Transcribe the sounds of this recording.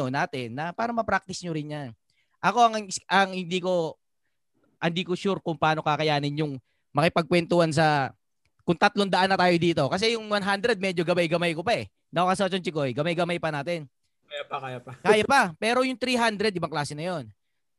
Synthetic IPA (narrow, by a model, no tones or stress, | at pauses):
onaːt̪ɛnːɐpaːɾɐmɐpɾak̚t̪ɪsɲoɾɪnjan | ʔɐko̞ɐŋŋsʔɐŋhɪnd̪iːko̞ | hɐnd̪iːkoʃuɾkʊŋpɐaːno̞kakɐjaːnɪnjʊŋ | mɐkɪpɐɡ̚kwɛnt̪ʊhans̬ɐ | kʊŋt̪ɐt̪lond̪ɐʔanːɐt̪aːjo̞d̪iːt̪o̞kɐs̬ɛjʊŋwanɦand̪ɾɛd̪̚mɛd͡ʒo̞ɡɐmajɡɐmajkopaɛ | nɐokɐsɐt͡ʃont͡ʃɪkojɡɐmajɡɐmajpɐnaːt̪ɛn | jpakajapɐkaːjapɐpɛːɾo̞jʊŋt̪ɾiːɦand̪ɾɛd̪̚ʔɪbaŋklaːsɛnɐjo̞n